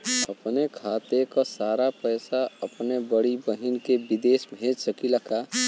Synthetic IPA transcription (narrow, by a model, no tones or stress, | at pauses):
əpnekʰaːt̪ekasaɾapəjsaəpnebəɽibəɦinkebid̪esbʱẽd͡ʒsəkilaka